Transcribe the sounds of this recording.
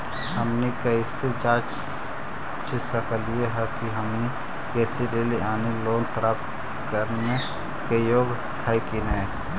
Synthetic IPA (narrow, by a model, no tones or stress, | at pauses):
ɦəmnikɐɪsed͡ʒaːt͡ʃ | t͡ʃesəkʰəlijeɦɛkiɦɐmni | kɛːseɾeːliʔaːneloːnpɾaːpt̪ | kəɾne | kejoːɡ | kʰaikineː